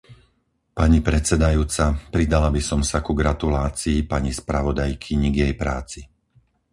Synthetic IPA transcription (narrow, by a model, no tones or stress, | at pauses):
paɲipɾɛt͡sɛd̪ajuːt͡sapɾid̪alabisɔmsakuɡɾat̪ulaːt͡siːpaɲispɾaʋɔd̪ajkʰiɲiɡjɛjpɾaːt͡si